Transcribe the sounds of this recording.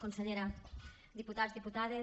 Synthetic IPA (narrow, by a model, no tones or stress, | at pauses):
konseʎeɾɐ | ðiput̪azðiput̪aðe